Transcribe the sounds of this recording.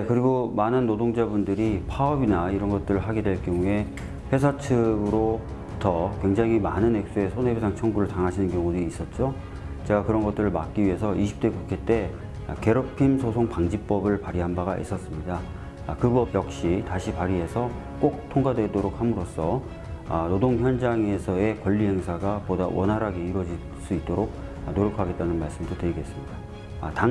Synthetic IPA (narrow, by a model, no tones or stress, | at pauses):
jekɯɾiɡomanɯnːodoŋd͡ʑabundɯɾipʰaʌbinaiɾʌnɡʌt̚t͈ɯɾɯɭɦaɡe̞dwe̞ɭkjʌŋue̞ | ɸʰe̞sʰat͡ɕʰɯɡɯɾo | tʌkwe̞ŋd͡ʑaŋimanɯnɦe̞k̚s͈ue̞sʰone̞besʰaŋt͡ɕʰʌŋɡuɾɯɭtaŋɦaɕʰinɯnkjʌŋudois͈ʌt̚t͡ɕ͈o | t͡ɕe̞ɡakɯɾʌnɡʌt͈ɯɾɯɭmak͈̚iɥiɦe̞sʰʌʔiɕʰi̥p̚t͈we̞kukʰet͈e̞̰ | ke̞ɾopʰimsʰosʰoŋpaŋd͡ʑip͈ʌbɯɭpaɾiɦanbaɡaʔḭs͈ʌs͈ɯmɲida | kɯbʌbjʌk̚ɕ͈itaɕʰipaɾiɦe̞sʰʌ | k͈ok̚tʰoŋɡadwe̞doɾok̚hamɯɾos͈ʌ | nodoŋçjʌnd͡ʑaŋe̞sʰʌe̞kwʌʎːiɦe̞ŋsʰaɡapodawʔʌnɦaɾɦaɡe̞iɾwʌd͡ʑi | s͈uit̚t͈oɾok̚ | noɾjokʰaɡe̞t̚t͈anɯnmaɭs͈ɯmdotɯɾiɡe̞s͈ɯmɲida | ta